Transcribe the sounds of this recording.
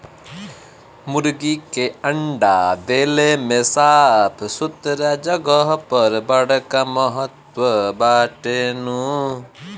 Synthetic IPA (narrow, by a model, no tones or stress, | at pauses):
muɾɡikeɐɳɖad̪elemesapʰsut̪ɾad͡ʒɔɡɔɦpɐɾbɐɽkamɔɦɔt̪wɔbaːʈenu